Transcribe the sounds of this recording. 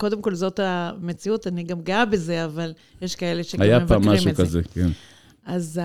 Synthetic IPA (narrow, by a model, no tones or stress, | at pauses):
ko̞de̞mko̞lzo̞tame̞t͡siutaniɡamɡabe̞ze̞aval | jeʃkae̞le̞ʃeajaevpamːaiʃmukazeken | ʔaz